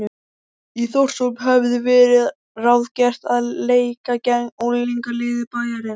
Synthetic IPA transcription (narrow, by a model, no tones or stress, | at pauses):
iθowr̥somɦɛvðʏvɛːɾɪð | raːwðcɛr̥t̪aðleːjkacɛŋɔɣliŋkalɪːðɪpaːjaɾɪn